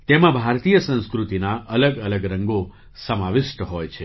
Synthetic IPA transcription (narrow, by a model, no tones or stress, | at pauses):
t̪emãbʱaɾt̪ijəsə̃nskɾut̪inaʔələɡələɡɾə̃ŋɡo | səmaʋɪʃʈəɦojt͡ʃʰe